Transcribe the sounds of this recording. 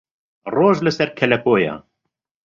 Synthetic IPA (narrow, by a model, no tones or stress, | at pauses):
rˤoːʒləsɛɾkʰɛlɛpoːja̰